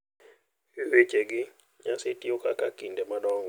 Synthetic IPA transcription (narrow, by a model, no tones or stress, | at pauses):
wet͡ʃeɡɪ | ɲasetiokakakindemadɔŋ